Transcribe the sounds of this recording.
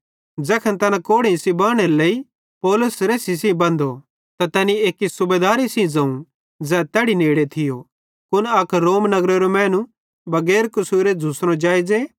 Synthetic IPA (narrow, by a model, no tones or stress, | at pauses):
d͡zɛːkʰɐ̃nt̪ɐnakoːɽisĩbaːɽ̃elei | pɔːlʊsɾeːsis̬ĩbɐ̃nd̪o | t̪at̪ɛːnieːkisʊbeːd̪aːɾisĩd͡zɐ̃ːũ | d͡zɛːt̪ɛːɽineːɽet̪ʰɪjo | kʊnɐkɾoːmnɐɡɾeɾomɛːnũ | bɐɡɛːɾkʊsuːɾed͡zʱusɾõd͡ʒaːid͡ze